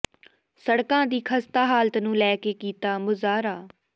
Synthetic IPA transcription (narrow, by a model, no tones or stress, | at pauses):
səɽkãːd̪iːkʰəst̪aːɦaːlt̪nũːlɛːkeːkiːt̪aːmʊzaːɾaː